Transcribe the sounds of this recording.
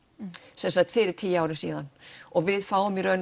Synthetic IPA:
sɛnsak̚t̪fɪːɾɪɾ̥t̪ʰiːjaːwɾɪnsiːðanɔɣvɪðfaːwʏmiɾœɥn

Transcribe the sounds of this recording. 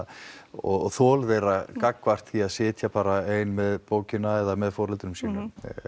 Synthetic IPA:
ɔ̰ɣθɔːlvɛːɾakakːvar̥t̪θiaðsɪːt̪ʰjapaːɾaeːjnmɛðpoːwcɪnaɛðamɛðfɔːɾɛlt̪ɾʏmsiːnʏm

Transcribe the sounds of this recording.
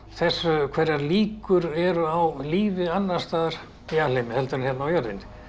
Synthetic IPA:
θɛsːʏkʰvɛɾaɾliːkʏɾɛɾʏawliːvɪanːḁst̪aːðaɾ̥ | jalejmɪhɛlt̪ʏɾɪnçjɛt̪nawjœɾðɪ̰n

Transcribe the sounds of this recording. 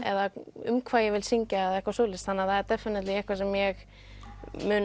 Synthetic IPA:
ɛ̰ðaʏ̰mkʰvaːjɛɣvɪlsiɲcaːðɛhkvasoːwlɪst̪hanːaθaðɛɾt̪ɛfɪnɪt̪lɪɛhkvasɛmjɛɣ | mʏːn

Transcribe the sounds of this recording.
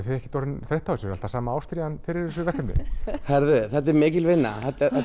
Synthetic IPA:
θvɪɛhcɪt̪ɔɾʏnθɾejht̪ʰːawsɾa̰l̥t̪asaːmaaːwst̪ɾianfɪɾɪs̬ɪvɛhkanɪ̰θɛɾðʏθɛt̪ːɛɾmɪːcɪlvɪnːa̰θɛt̪

